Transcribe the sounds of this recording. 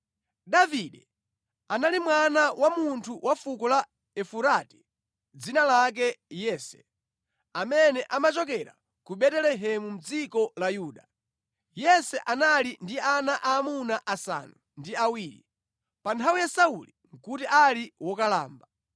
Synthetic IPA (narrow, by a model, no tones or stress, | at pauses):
ɗaviɗɛ | analimwanawʔamuntʰuwʔafukɔla | ɛfuɾati̥ | d͡zinalak̬ɛjɛːsɛ̥ | amɛnɛʔamat͡ʃɔk̬ɛɾa̰ | kuɓɛtɛlɛɦɛmum̩d͡zikɔlajuːɗa | jɛsɛʔanalindianaʔaːmunaʔasa̰nu | ndiawiːɾi | pantʰawijasauliŋ̩kutiʔaliwɔkala̰ːmba